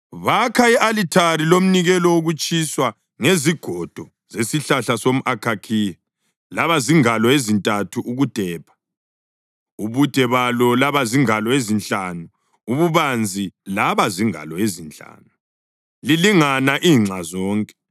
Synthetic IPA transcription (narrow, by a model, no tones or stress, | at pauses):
βakʰaiʔalitʰaɾilom̩niɣɛlɔoɣut͡ʃʼiswa | ŋeziɡ̥ʱɔd̥ʱɔ | zesiɬaɬasom̩ʔakʰakʰiɛ | laβaziŋalɔezintʼatʰuʔuɣud̥ʱɛːpa | uβud̥ʱɛβalɔlaβaziŋalɔezint͡ɬʼanu | uβuβand͡zʱilaβaziŋa̰lɔezint͡ɬʼa̰ːnu | liliŋanaʔiːŋ͡ǀʱazɔːŋkʼɛ̥